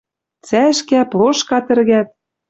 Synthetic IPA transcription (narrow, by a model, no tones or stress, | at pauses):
t͡sæʃkæploʃkɑt̪ɘ̆rɣæt̪̚